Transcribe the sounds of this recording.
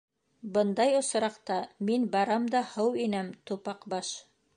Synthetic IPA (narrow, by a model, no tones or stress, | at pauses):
bɤnd̪ɑjŏs̆ɾɑqt̪ɑminbɑɾɑmd̪ɑhɤwinæmt̪upɑqbɑʃ